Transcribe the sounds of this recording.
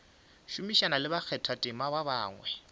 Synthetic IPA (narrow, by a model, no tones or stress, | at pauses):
ʃumiʃanalɪbak͡xʰɛtʰatʼɪmababaːŋwɛ